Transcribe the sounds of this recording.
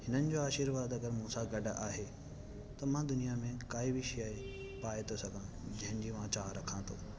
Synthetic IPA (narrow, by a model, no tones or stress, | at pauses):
hɪnənɪ̆d͡ʑoaːʃiːɾʋaːd̪ɐɡəɾmũːsaɡɐɖʱaːɦe | t̪ɐmãːd̪ʊnijamẽkaːibʱiʃjaːe | paːet̪ʰosɐɡʱã | d͡ʑɐ̃ɦɪ̃nɪ̆d͡ʑiːmãt͡ɕaːɦɾɐkʰãːt̪ʰo̰ː